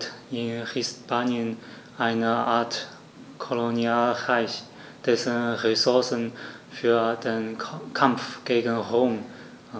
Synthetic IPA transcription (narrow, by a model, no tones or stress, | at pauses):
tɪnhɪspʰanjən | ʔaɪnəʔaːɐt | kʰolonialʁaɪç | d̥ɛsənʁesʊɐsən | fyːɐd̥enkʰamfɡ̥eːɡənʁoːm